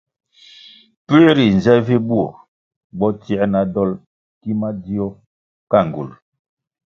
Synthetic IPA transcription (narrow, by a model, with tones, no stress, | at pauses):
pe˦ɾi˨n˨zɛ˦vi˦bu˦ɔ̰˨ | bɔ˦tjɛ˦na˨dɔ˦l | ki˦ma˦di˦ɔ˦ | ka˦˨ŋ˨ɡṵ˨l